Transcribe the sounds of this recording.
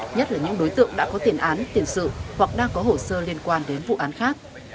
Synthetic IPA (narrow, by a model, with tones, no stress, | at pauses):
ɲə˦˥t̚laː˨˩ɲɨ̰˧˥ŋɗo˨˦jt̪ɨ̰˧˨əŋɗa̰ː˧˥kɔ˨˦t̪i˨˩ənʔaː˨˦nt̪i˨˩əmsɨ̰˧˨hwa˨˩k̚ɗaː˧ŋkɔ˨˦ɦo˧˩səː˧li˧ənkwaː˧nɗe˨˦nvṵ˧˨ʔaː˨˦nxaː˦˥k̚